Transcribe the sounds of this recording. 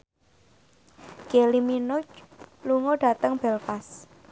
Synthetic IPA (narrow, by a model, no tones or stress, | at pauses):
ɡ̥eliminʊt͡ʃluŋoɖ̥a̤t̪əŋb̥ɛlfas